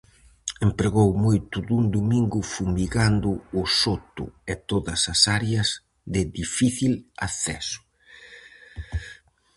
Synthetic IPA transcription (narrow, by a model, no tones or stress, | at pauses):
empɾeɣowmojt̪ʊðuŋd̪umiŋɡʊfumiɣand̪ʊʊsot̪ʊ̰et̪oðɐsɐsaɾjɐz | ðɪðifiθila̰θɛ̰sʊ̥